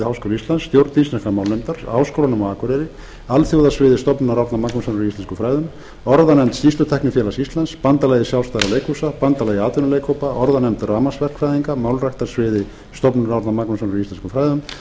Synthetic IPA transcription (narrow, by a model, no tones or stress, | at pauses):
ɪhawskowlaist̪lansːt̪jowɾt̪ninsnɛhkamawlemt̪aɾ̥hawskowlanʏmaaːkʰaɾɛɾɪ | alθjowðasvɪːðɪst̪ɔpnaɾawɾt̪amaknasɔnɾɔist̪ɛnskʏmfɾaːjðʏm | ɔɾðanɛmt̪sist̪ʏt̪ʰɛhknʏfjɛlasist̪lanspant̪alajðɪsjaw̪st̪aɾaleːjkusapant̪alaːjðɪaːt̪ʏnaleːjkʰowpaʔɔɾðanɛmnt̪raːmasvɛr̥kfɾajðiŋkamawlrajht̪ḁsvɪːðɪ | st̪ɔpnaɾaɾt̪namaknasɔnʏɾʏist̪ɛnskʏmfɾaːjðʏm